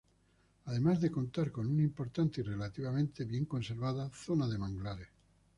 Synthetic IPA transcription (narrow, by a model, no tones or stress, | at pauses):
aðemazðeko̞nt̪aɾko̞nunimpo̞ɾt̪ant̪eire̞lat̪iβ̞amẽnt̪eβje̞ŋko̞nseɾβaðaθonaðemãŋɡlaɾe